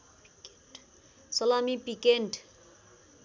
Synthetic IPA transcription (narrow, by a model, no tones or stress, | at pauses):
sɔlamipikeɳʈ